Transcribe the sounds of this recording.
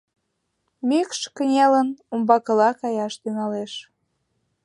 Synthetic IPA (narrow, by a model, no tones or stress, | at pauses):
mikʃkənʲelənumbɑkəlɑkɑjɑʃt̪yŋɑleʃ